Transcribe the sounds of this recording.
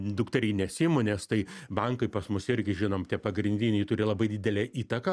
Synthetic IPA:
d̪ʊkt̪ɐɾʲɛɪnʲɛsʲɪmʊnʲɛst̪ɐɪbɐŋkɐɪpɐsmʊsɪrʲɡʲɪʒʲɪnoːmt̪ʲiɛpɐɡɾʲɪnʲd̪ʲɪnʲɛɪt̪ʊːɾʲɪlˠɐbɐɪd̪ʲɪdʲɛlʲɛːʔiːt̪ɐkɐ

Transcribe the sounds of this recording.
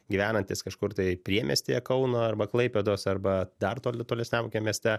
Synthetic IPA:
ɡʲiʋʲæːnɐnʲt̪ʲiːskɐʃkʊrt̪ɐɪpʲɾʲiɛmʲɛ̰sʲt̪ʲeːjɛkɐʊnoːɐrbɐklˠɐɪpʲed̪oːsɐrbɐd̪ɐrt̪oːlʲt̪oːlʲɛsʲnʲɛmoːkʲemʲiɛsʲt̪ʲɛ

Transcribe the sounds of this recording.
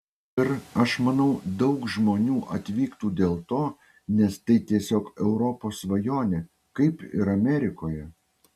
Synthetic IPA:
ɪɾɐʃmɐnɐʊd̪ɒʊkʒmoːnʲuːʔɐt̪ʲʋʲiːkt̪uːd̪ʲeːlˠt̪oː | nʲɛst̪ɐɪt̪ʲiɛsʲoːkɛʊɾɔpoːsʋɐjoːnʲeː | kɐɪpɪ̰ɾɐmʲɛɾʲɪkoːjɛ

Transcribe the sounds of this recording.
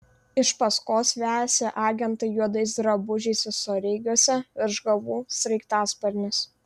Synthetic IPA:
ɪʃpɐskoːsʋʲæːsʲeʔɑːɡʲɛnt̪ɐɪjuɔd̪ɐɪs̬d̪ɾɐbʊʒʲɛɪsʲɪsoɾʲɪɪɡʲuɔsʲɛɪɾʒɡɐʋuːsʲɾʲɛɪkt̪ɑːspɐɾʲnʲɪs

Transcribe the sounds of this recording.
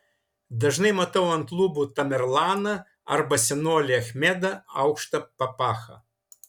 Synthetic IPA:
d̪ɐʒnɛjmɐt̪ɐwɐnklˠubut̪ɐmʲɛɾlˠanɐ | ɐ̰ɾbɐsʲɛnɔlʲiɐxʲmʲɛd̪ɐɐ̰wkʃt̪ɐpɐpaxɐ̰

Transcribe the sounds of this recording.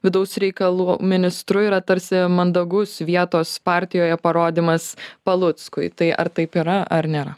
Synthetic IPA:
ʋʲɪd̪ɐʊsɾʲɛɪkɐlˠuːmʲɪnʲɪst̪ɾʊɪːɾɐt̪ɐɾʲsʲɪmɐnd̪ɐɡʊsʋʲiɛt̪oːspɑːɾʲt̪ʲɪjoːjɛpɐɾoːd̪ʲiːmɐspɐlˠʊt̪skʊɪt̪ɐɪʔɐ̰ɾt̪ɐɪpiːɾɐɐɾnʲeːɾɐ

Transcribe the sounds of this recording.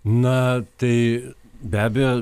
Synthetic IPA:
nɐt̪ɐɪ | bʲæːbʲɛjoː

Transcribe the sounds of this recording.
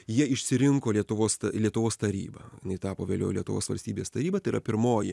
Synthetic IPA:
jiɛɪʃʲsʲɪɾʲɪŋkoːlʲiɛt̪ʊʋoːst̪ɐlʲiɛt̪ʊʋoːst̪ɐɾʲḭːbɐ̰jɪnɐɪt̪ɑːpoːʋʲeːlʲo̰ːlʲiɛt̪ʊʋo̰ːsʋɐ̰lʲsʲt̪ʲiːbʲeːst̪ɐɾʲiːbɐt̪ɐɪiɾɐpʲɪɾmoːjɪ

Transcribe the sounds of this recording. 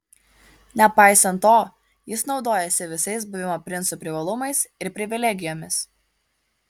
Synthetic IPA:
nʲɛpɑɪsɐnt̪ːoː | jɪsnɒʊd̪oːjɛsʲɪʋʲɪsɐɪsbʊʋʲɪmoːpʲɾʲɪnsupʲɾʲɪʋɐlˠʊmɐɪsɪɾpʲɾʲɪʋʲɪlʲɛɡʲɪjoːmʲɪs

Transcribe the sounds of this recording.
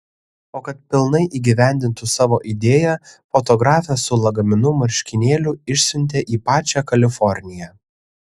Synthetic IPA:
oːkɐt̪pʲɪlˠnɐɪʔiːɡʲiʋʲæˑnʲd̪ʲɪnt̪ʊsɑːʋoːʔid̪ʲeːjæfoːt̪ɔɡɾɑːfʲɛsʊlˠɐɡɐmʲɪnʊmɐɾʲʃʲkʲɪnʲeːlʲʊɪʃʲsʲʊnʲt̪ʲeʔiːpɑːt͡ʃʲæːkɐlʲɪfɔɾʲnʲɪjæː

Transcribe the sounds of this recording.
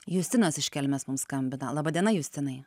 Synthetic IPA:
juːsʲt̪ʲɪnoːsɪʃʲkʲɛlʲmʲeːsmʊmskɐmʲbʲɪnɐlˠɑːbɐːd̪ʲiɛnɐjuːsʲt̪ʲɪnɐɪ

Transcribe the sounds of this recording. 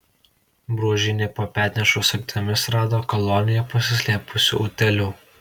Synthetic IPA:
bɾuɔʒʲɪnʲeːpoːpʲæːɾʲnʲɛʃʊsɐɡ̚t̪ʲɐmʲɪsɾɑːd̪oːkɔlˠɔːnʲɪjɛpɐsʲɪsʲlʲeːpʊsʲʊ̰ʔʊt̪ʲɛlʲʊ

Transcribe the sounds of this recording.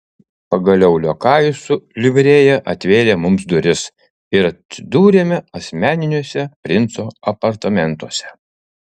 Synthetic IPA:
pɐɡɐlʲɛʊlʲoːkɑːjʊsʊlʲɪʋʲɾʲeːjɛʔɐt̪ʲʋʲeːɾʲeːmʊmsd̪ʊɾʲɪs | ɪɾɐt̪ʲsʲɪd̪uːɾʲeːmʲɛɐsʲmʲæːnʲɪnʲuɔsʲɛpʲɾʲɪnˑt̪soːɐpɐɾt̪ɐmʲɛnˑt̪uɔsʲɛ

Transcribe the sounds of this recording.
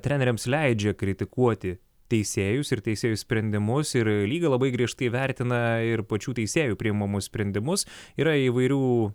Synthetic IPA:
t̪ʲɾʲɛːnʲɛɾʲɛmslʲɛɪd͡ʒʲɛkɾʲɪt̪ʲɪkuɔt̪ʲɪ | t̪ʲɛɪsʲeːjʊsɪɾt̪ʲɛɪsʲeːjʊsʲpʲɾʲɛnʲd̪ʲɪmʊsɪɾlʲiːɡɐlˠɐbɐɪɡɾʲiɛʃt̪ɐɪʋʲɛɾʲt̪ʲɪnɐɪɾpɐt͡ʃʲuːt̪ʲɛɪsʲeːjuːpʲɾʲɪjɪmɐmʊsʲpʲɾʲɛnʲd̪ʲɪmʊsiːɾɐiʋɐɪɾʲuː

